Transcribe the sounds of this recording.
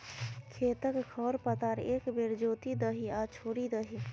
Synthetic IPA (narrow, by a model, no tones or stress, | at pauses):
kʰeːt̪əkkʰɔːɾpət̪aɾeːkbeɾd͡ʒoːt̪id̪əɦiat͡ʃʰoːɾid̪əɦi